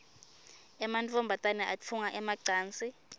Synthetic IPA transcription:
ɛmant͡fʼɔmbʱatʼanɛʔat͡f̪ʰuŋaʔɛmaǀaːnt͡sʼi

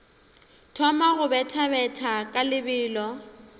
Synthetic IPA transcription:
tʰɔmaɣʊbɛtʰabɛtʰakʼalɪbɪːlɔ

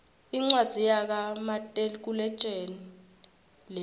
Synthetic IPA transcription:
iŋ͡ǀwad̥z̥ʱijak̬amatʼelk̬ulɛ̥t͡ʃʼen | lɛ

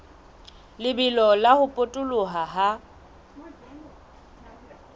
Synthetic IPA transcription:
lɪbɪlɔlahʊpʼʊtʼʊlʊɦaɦa

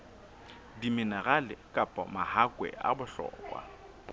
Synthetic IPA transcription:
dimɪnaɣalɪkʼapʼɔmahakʼwɛ̰a̰bʊɬɔ̰ːkʼwa̰

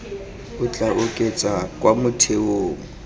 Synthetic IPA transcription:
ʊt͡ɬʼaʔʊkʼet͡sʼakʼwamʊtʰeoːŋ̩

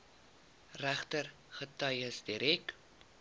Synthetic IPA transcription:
ræχtər | χətɐjəsdiɾɛk

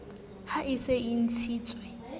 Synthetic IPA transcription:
haʔisein̩t͡sʰiːt͡sʼwɛ

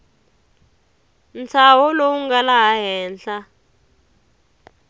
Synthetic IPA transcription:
nt͡sʰawɔlowuŋɡalaɦaɦɛːnɬa

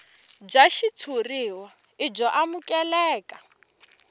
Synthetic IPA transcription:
d͡ʒaʃitʰuriwa | id͡ʒɔʔamukʼɛlɛːkʼa

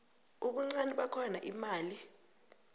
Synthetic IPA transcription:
uɓ̬uŋ͡ǀaniɓakʰɔnaʔimaːli

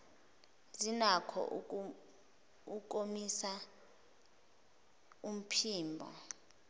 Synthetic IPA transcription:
zinakʰɔ̰ʔ | uk̬ʼomisa | um̩pʰiːmbʱɔ̰

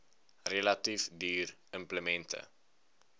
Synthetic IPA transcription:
relɐtifdyːr | əmpləmɛntʰə̰

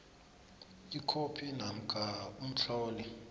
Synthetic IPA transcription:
ikʰopʰinam̩ɡ̥ʱaum̩t͡ɬʰɔːli

